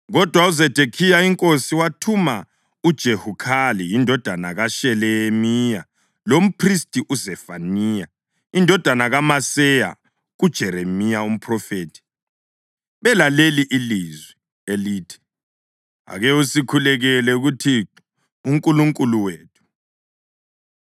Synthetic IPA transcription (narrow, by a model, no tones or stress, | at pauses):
ɣɔd̥ʱwauzɛd̥ʱekʰijaiŋkʼosiwatʰuma | ud̥ʒ̥ʱehukʰalijindʱɔd̥ʱana̰ɣaʃɛlɛmija | lom̩pʰristʼiʔuzɛfaniːja | indʱɔd̥ʱanaɣamasɛja̰ | ud̥ʒ̥ʱɛɾemijaum̩pʰrɔfeːtʰi̥ | βɛlaleliʔilizwi | eliːtʰi̥ | a̰ɣɛusikʰulɛɣɛlɛuɣutʰi | uŋkʼuluŋkʼuluweːtʰu̥